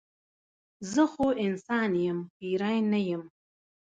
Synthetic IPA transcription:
zɨχoʔinsaːnjɪmiɾajnajɪm

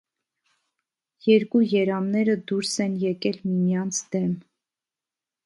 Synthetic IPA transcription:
jɛɾkujɛɾɑmnɛɾəd̪uɾsɛnjɛkɛlmimijɑnt͡sʰd̪̥ɛm

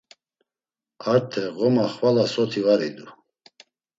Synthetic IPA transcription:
aɾt̪ʰɛʁɔmaχvalasɔt̪ʰivaɾid̪u

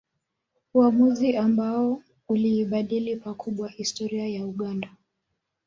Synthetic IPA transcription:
uamuziambaɔ | uliːɓaɗilipakʰuɓwahistɔɾiajauɠanda

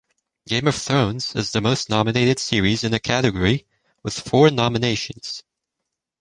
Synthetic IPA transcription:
ɡ̥ẽɪ̃mʌv̥θɹõʊ̃nz̥ɨ̰zðɨmoʊstⁿnɑmɨneɪɾɨd̥sɪɹizɨ̃nɨkʰæɾɨɡɔɹi | wɨð̥fɔɹnɑmɨneɪʃɨ̃nz̥

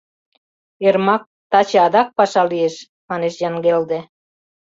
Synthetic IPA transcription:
ermɑk̚ | t̪ɑt͡ɕeɑd̪ɑk̚pɑʃɑlieʃ | mɑneʃjɑŋɡeld̪e

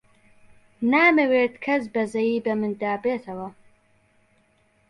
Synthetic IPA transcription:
naːmɨweːt̪kʰɐs̬bɐzɐjiːbɐmɨnd̪aːbeːt̪ʰɐwɐ

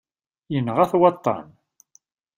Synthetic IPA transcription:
jənʁæθwɑt̪ˤːɑ̰n

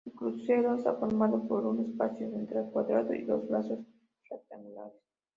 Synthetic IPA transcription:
elkɾuseɾoesa̰foɾmaðopoɾunespaθjoent̪ɾelkwaðɾaðoḭðozβlasos | fɾak̚t̪amula̰ɾes

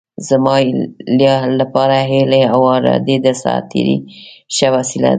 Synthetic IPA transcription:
zəmɑljɑlapɑɾaɦeleawɑɾɑ̰d̪ed̪əsɑ̰t̪ʰḭɾḭʃəwasila̰

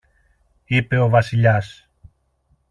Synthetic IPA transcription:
ipe̞o̞vɐsiʎɐs

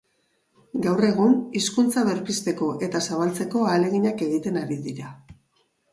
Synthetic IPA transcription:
ɡawre̞ɣ̞uniskunt͡saβe̞ɾpist̪e̞ko̞ʔe̞t̪asaβalt͡se̞ko̞aːle̞ɣiɲake̞ɣit̪e̞naɾiðiɾa

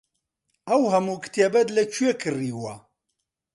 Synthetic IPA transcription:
ɐwɦɐmuːkʰɨ̥t̪ebɐd̪lɐt͡ʃʰuwekʰɨriːwɐ

